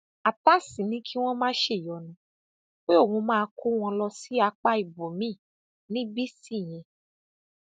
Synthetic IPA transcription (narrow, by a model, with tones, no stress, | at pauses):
a˨ta˦sĩ˨nĩ˦kʰi˦w̃ɔ̃˦mãː˦ʃe˦˨jɔ˨˦nã˨˦ | k͡pe˦o˦˨hũ˧mãː˦˧kʰu˦w̃ɔ̃˧lɔ˧si˨˦a˧k͡pa˦i˨bo˨mĩ˦˨ | nĩ˨˦bi˦si˦˨j̃ɛ̃˧